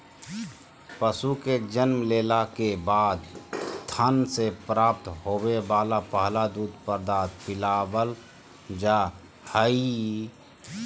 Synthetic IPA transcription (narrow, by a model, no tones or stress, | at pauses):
pəsuked͡ʒənmleːlakebaːd̪t̪ʰənsepɾaːp̚t̪ɦoːwebaːlapəɦlad̪uːd̪pəɾd̪aːt̪̚pɪlaːbəl | d͡ʒa | həi